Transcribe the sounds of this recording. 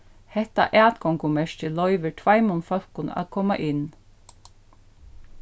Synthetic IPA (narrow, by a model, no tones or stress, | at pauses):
hɛht̪a̰ʔæːt̪kʰɔŋkʊmɛʂtɪlɔʏʋəɹʈʰvajmʊnfœl̥kʊna̰ːðkʰɔːma̰ʔɪn